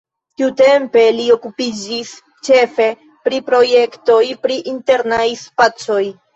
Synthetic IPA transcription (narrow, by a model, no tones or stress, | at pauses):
tiute̞mpe̞lio̞kupid͡ʒis | t͡ʃe̞fe̞ | pɾipɾo̞je̞kto̞jpɾiʔinte̞ɾnajspat͡so̞j